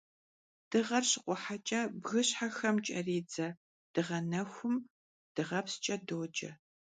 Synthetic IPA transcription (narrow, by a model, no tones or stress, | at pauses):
d̥ɨʁɐrɕɪqʷʊħat͡ʃʼɐbɣɨɕħaxɐmt͡ʃʼɐ̰riːd͡zɐ | d̥ɨʁɐnɐxʷʊm | d̥ɨʁɐpst͡ʃʼɐdoːd͡ʒʼɐ̰